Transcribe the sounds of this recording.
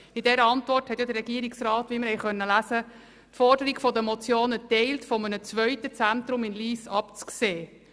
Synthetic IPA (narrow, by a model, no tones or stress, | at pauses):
ɪdɛɾəɑntʋɔrthɛt̪jɔd̪əɾrːɛɡiəɾiksrɑːtʋimɪɾhɛɪχœnːəlæsə | tfɔrdəɾiɡfɔdəmɔt͡sjoːnətɛɪltfɔmənət͡sʋœʏtət͡sænt̪ɾʊmɪnliːsɑpt͡skseː